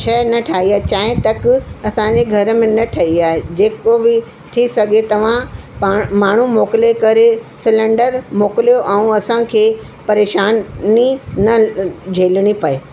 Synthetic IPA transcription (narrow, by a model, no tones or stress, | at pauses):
ʃɐnɐʈʰaːɦiaːɦet͡ɕaːɦɪ̃t̪ɐkɐsãd͡ʑeɡʱɐɾəmẽnɐʈʰɐɦiaːɦed͡ʑeːkobɪ | ʈʰisɐɡʱet̪ɐʋ̤ãpamaːɳ̤umoːkɪlekɐɾesɪlə̃ɳɖəɾmoːkɪlijoʔɛ̃ũɐsãkʰeː | pɐɾeːʃaːnninɐd͡ʑʱeːlɽ̃ipɐe